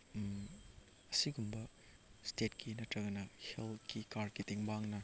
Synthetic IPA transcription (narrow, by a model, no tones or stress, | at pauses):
ɐsiɡumbɐ | stet̚kʰinɐtɾɐɡɐnɐhelkikaɾkitiŋbaŋnɐ